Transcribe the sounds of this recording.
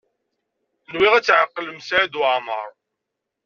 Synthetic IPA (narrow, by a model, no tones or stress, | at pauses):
nwiʁæt͡sːʕəqːləmsaʕæd̪uʕmə̰ɾˤ